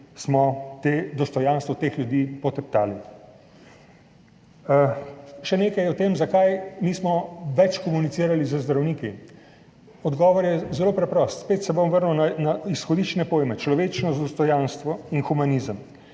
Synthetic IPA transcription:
smɔt̪ed̪ɔst̪ɔjanst̪ʋɔt̪eːxljud̪iːpɔt̪ɛp̚t̪aːli | ʃɛneːkajɔt̪eːmzakajmiːsmɔʋɛt͡ʃkɔmunit̪siːɾalizəzd̪ɾawniːki | ɔd̪ɡɔːʋɔɾjɛzɛloːpɾɛpɾɔst̪speːt̪sɛbomʋəɾnɛwnanaisxɔd̪it͡ʃnɛpoːjmɛt͡ʃlɔʋeːt͡ʃnɔzd̪ɔst̪ɔjanst̪ʋɔinxumaniːzəm

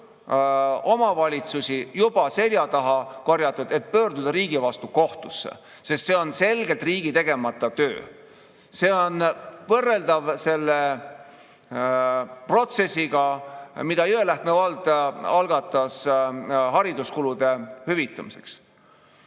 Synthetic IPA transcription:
o̞mɑvɑlʲit̪susʲijub̥ɑse̞lʲjɑt̪ɑɦɑkorjɑt̪ːˑud̪̥e̞t̪̚pø̞ːrd̪ud̪̥ɑɾiːɡivɑst̪uko̞ht̪usːḛ | sest̪se̞o̞nse̞lɡelt̪ˑriːɡit̪e̞ɡ̥e̞mɑt̪ːˑɑt̪øː | se̞ːo̞nvɤrːe̞ld̪ɑvse̞lːe | pro̞t̪se̞sːiɡɑmid̪̥ɑyelæht̪mevɑlt̪ɑlɡ̥ɑt̪ːˑɑs | ɦɑɾid̪uskulud̪̥e̞hyvit̪ːˑɑmise̞̰ks

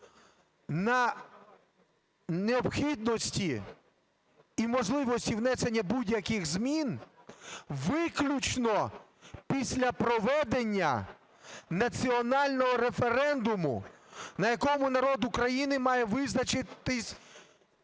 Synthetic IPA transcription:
nɐ | neɔbxʲid̪̚nɔsʲtʲi | mɔʒlˠɪʋɔsʲtʲiwnɛse̞nʲːɐbudʲjɐkɪxzmʲin | ʋɪklʲut͡ʃnɔpʲisʲlʲɐpɾɔʋɛd̪e̞nʲːɐ̰ | nɐt͡sʲiɔnɑlʲnɔɦɔɾe̞fe̞ɾɛnd̪ʊmʊ̰nɐjɐkɔmʊnɐɾɔd̪ʊkɾɐjinɪmɑjɛʋɪznɐt͡ʃɪt̪ɪsʲ

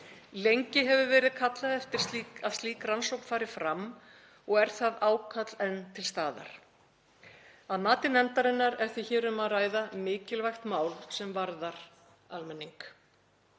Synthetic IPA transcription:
lejɲcɪɦɛvʏvɛːɾɪðkʰat̪laðɛft̪ɪɾ̥st̪liːkað̥st̪iːkransowkn̥faːɾɪfɾam | ɔɣɛɾ̥θaðaːwkʰat̪lɛnːt̪ʰɪlst̪aːða̰ɾ̥ | aðmaːt̪ɪnɛnt̪aɾɪnːaɾɛɾ̥θɪçɛːɾʏmaðraːjðamɪːcɪlvajxt̪maːwlsɛmvaɾðaɾ̥ | almɛnːiŋk

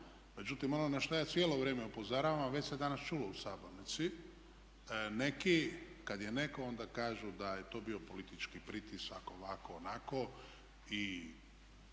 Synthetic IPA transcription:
me̞d͡ʒut̪imo̞nonaʃt̪ojaːt̪jeːlˠo̞ʋɾeːmeupo̞zaɾaʋamʋe̞t͡ɕsed̪anast͡ʃuːlousabamnit̪si | ne̞ki | kad̪jene̞ko̞o̞nd̪akaːʒud̪ajet̪o̞ːbio̞po̞lit̪it͡ʃkipɾit̪isako̞ʋakoːnako̞ | i

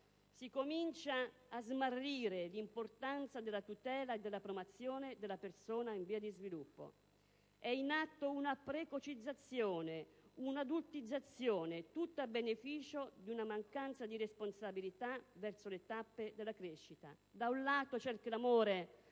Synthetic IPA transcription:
sikomint͡ʃaːzmarːiːɾelimport̪ant̪sad̪elːat̪ut̪ɛːlaed̪ːelːapɾomat̪sːjoːned̪elːapersoːnaiɱviːad̪izvilupːo̰ | ɛinat̪ːounapɾekot͡ʃid̪zːat̪sːjɔːneunad̪ult̪id̪zːat̪sjoːnet̪ut̪ːabːenefiːt͡ʃod̪unamaŋkant̪sad̪iɾesponsabilit̪avɛrsolet̪apːed̪elakɾeʃːit̪a̰ | d̪aunlaːt̪ot͡ʃɛrkelamoːɾe

